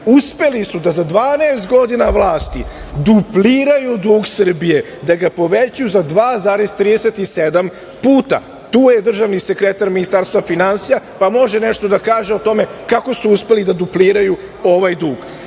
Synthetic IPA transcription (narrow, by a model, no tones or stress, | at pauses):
uspe̞lisud̪azad̪ʋaːneːst̪ɡo̞d̪inaʋlˠaːst̪i | d̪upliːɾajud̪uːɡsr̩bije̞ | d̪aɡapo̞ʋet͡ɕujuzad̪ʋaːzaːɾezt̪ɾiːd̪ese̞t̪ised̪am | puːt̪a̰ | t̪uːjed̪r̩ʒaʋnise̞kɾet̪aɾminist̪aɾst̪vʋafinansijapamo̞ʒene̞ʃt̪o̞d̪akaːʒeot̪o̞me̞kako̞suuspe̞lid̪ad̪upliːɾaju | o̞ʋajd̪uːɡ̥